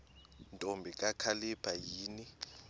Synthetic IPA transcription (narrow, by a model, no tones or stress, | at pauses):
ntʼombʱikʼakʰalib̥ʱajiːni